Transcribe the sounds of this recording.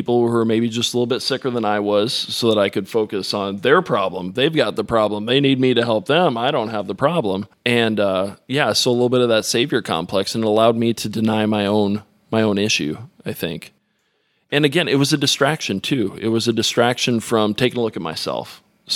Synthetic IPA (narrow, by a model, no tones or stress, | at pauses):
ipl̩ˠə˞meɪbid͡ʒʌstəlɪɾ̩l̩ˠbɪtsɪkə˞ðə̃naɪwʌz̥soʊðəɾaɪkɨd̥foʊkɨsn̩ðə˞pʰɹ̥ɑblə̃mðeɪvɡɑt̪̚ðəpʰɹ̥ɑblə̃mðeɪnid̚miɾɨɦɛlˠp̚ðɨ̃maɪɾõʊ̃nt̚ɦəvðəpʰɹ̥ɑblə̃m | ɨ̃nʌjæsoʊəlɪɾl̩ˠbɪɾʌvðɨtseɪvjə˞kʰɑ̰̃mpʰl̥ɛksɨ̃nɾəlaʊd̚miɾɨdɨnaɪmaɪõʊ̃n | maɪõʊ̃nɪʃʉ̰aɪθɪ̰̃ŋk | ɨ̃nɨɡɛ̃nɨt̚wʌzɨdɨstɹ̥ækʃɨ̃ntʰʉɪ̰t̚wʌzɨdɨstɹ̥ækʃɨ̃nfɹʌ̃mtʰeɪkɪ̃ŋəlʊkɨt̚ma̰ɪsɛ̰lˠf